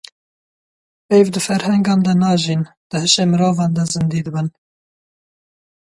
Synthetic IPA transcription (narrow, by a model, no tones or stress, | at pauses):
ejvd̪ɨfɛɾhɛŋɡɑːnd̪ɛnɑːʒiːnd̪̥ɨhɨʃeːmɨɾoːvɑːnd̪ɑzɨnd̪iːd̪ɨbɨn